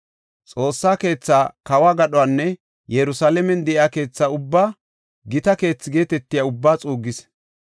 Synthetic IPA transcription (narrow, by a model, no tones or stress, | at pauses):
t͡sʼo̞ːsːaːke̞ːt͡sːaːkɐwaːɡɐɗɔwanːɛ | jɛɾʊsaːlɛmɛnd̪ɛʔɪaːke̞ːt͡sːaːʊbːaː | ɡɪt̪ɐke̞ːt͡sːɪɡe̞ːt̪ɛt̪ːɪjaːʊbːaːt͡sʼuːɡɪs